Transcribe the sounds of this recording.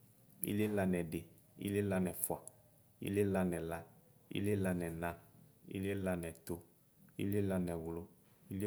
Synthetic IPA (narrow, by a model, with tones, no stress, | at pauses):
ḭ˦le˦la˧nɛ̃˨de˨ | ḭ˦le˦la˦nɛ̃˨fa˨ | ḭ˦le˦la˦nɛ̃˨la˦ | ḭ˦le˦la˦nɛ̃˨nã˨˦ḭ˦le˦la˦nɛ˨t̪o˦ | ḭ˦le˦la˦nɛ˨wʊ˨lo˦ | i˦le˦